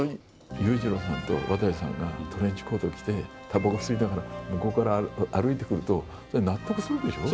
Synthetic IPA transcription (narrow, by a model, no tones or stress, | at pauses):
oi | jɯːʑiɾosã̰nt̪o̞̰βat̪aɕisã̰ŋɡat̪ʰo̞ɾẽ̞ɲ̟t͡ɕi̥ko̞ːt̪okʲi̥t̪e̞ | t̪ʰabaɡaɯsɨɾʲinaɡaɾamɯ̟ko̞ːkaɾaaɾɯ̟it̪e̞kɯ̟ɾɯ̟t̪o̞ | sonat̪ːokɯ̟sɨɾɯ̟d̪e̞ɕo̞